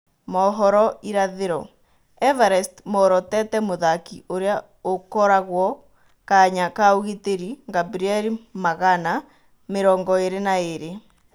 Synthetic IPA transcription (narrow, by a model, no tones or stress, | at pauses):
mɔɦɔɾɔiɾaðeɾɔ | ɛvaɾɛstmɔɾɔtɛtɛmoðakiʔoɾea | okɔɾaɣwɔ | kaɲakaoɣeteɾiŋɡabɾiɛɾimaɣana | meɾɔŋɡɔeɾenaeɾe